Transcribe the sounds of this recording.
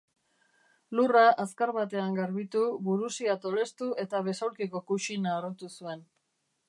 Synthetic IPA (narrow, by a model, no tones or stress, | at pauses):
luraʔaskaɾβat̪e̞aŋɡaɾβit̪uβuɾusiat̪o̞le̞st̪uʔe̞t̪aβ̞e̞sawlkiko̞kut͡ʃinaːɾot̪usue̞n